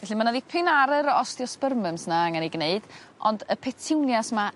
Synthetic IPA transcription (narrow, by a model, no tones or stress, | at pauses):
vɛɬimanaðipʰɨnaɾɨɾɔstjɔspərməmsnaaŋaniɡneɨd̥ | ɔndəpʰɛtʰɪwnjasma